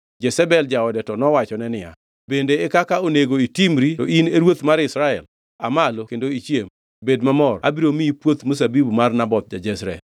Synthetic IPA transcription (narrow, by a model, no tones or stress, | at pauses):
d͡ʒɛsɛbɛld͡ʒaɔdɛtɔnɔwat͡ʃɔnɛnɪja̰ | bendeːkakaoneɡoitimɾitɔʔineɾwot̪maɾɪsɾaɛ̰l | a̰malokendoit͡ʃjem | bedmamɔrʔa̰biɾomiipwot̪mos̬abibumarnabɔt̪̚d͡ʒad͡ʒɛsɾɛ̰